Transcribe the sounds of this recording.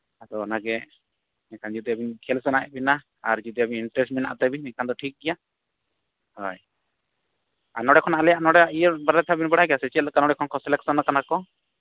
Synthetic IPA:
ad̪ɔɔnaɡɛ | nɛkʰand͡ʒid̪ɔabinkʰɛlsɔnaɛ̰ʔbina | aɾd͡ʒid̪ɔabiinʈɾɛsʈmɛna̰ʔt̪ɛbinɛkʰand̪ɔʈʰik̚ɡɛja | hɔj | anɔɽɛkʰɔnaalɛjaʔnɔɽɛaijəɾbaɾat̪ʰabinbəɽajɡɛjasɛt͡ʃiɛt̪̚lɛkanɔɽɛkʰɔnkʰɔsɛlɛksɔnakanakɔ

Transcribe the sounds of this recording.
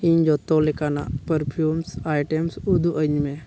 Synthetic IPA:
iɲd͡ʒɔt̪ɔlekana̰pəɾpʰjumsajʈemsud̪uʔəɲmẽ

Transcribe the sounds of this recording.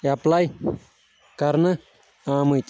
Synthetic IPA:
aplaj | kaɾnə̃ | ãmɨ̃jt͡ʃʼ

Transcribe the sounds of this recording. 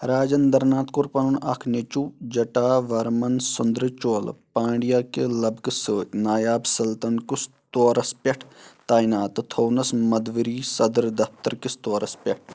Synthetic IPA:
ɾaːd͡ʒɐnd̪ɐɾnaːt̪kuɾpɐnunɐ̰kʰnet͡ʃuːd͡ʒɐʈaːʋɐɾmɐnsʊnd̪ɾɨt͡ʃoːlpãːɳɖijaːkelɐbksənaːjaːbsɐlt̪ɐnkus | t̪oːɾɐspʲɐʈʰt̪aːinaːt̪t̪ʰoːnɐsmɐd̪ʋiɾiːsɐd̪ɾd̪ɐft̪ɐɾkɪst̪oːɾɐspʲɐʈʰ

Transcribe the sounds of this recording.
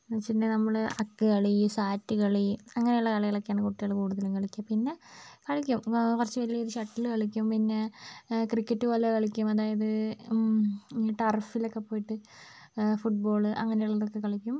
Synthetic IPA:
ɐt͡ɕːinːenɐmːɐɭɨɐkːɨkɐɭisaːtːɨkɐɭiɐŋːɐnejuɭːɐkɐɭɐjiɭɐkːeaːɳɨkuʈːijuɭːɐkuːɽuðɐluŋkɐɭikʲːɐmpinːe̞kɐɭikʲːumkurɐt͡ɕːɨʋɐɾilːɐiðɨɕɐʈːilkɐɭikʲːumpinːe̞krikʲːɐtːuʋɐlːekɐɭikʲːumɐðaːjɐðɨ | ʈɐrfilokːe̞pːo̞ːjiʈːɨ | fuʈ̚bo̞ːɭɨʔɐŋːɐnejuɭːɐðokːe̞kɐɭikʲːum

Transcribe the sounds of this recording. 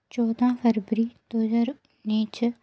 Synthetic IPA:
t͡ʃɔːd̪ʱãːpʰəɾbəɾit̪oːd͡ʒəɾ | niːt͡ʃ

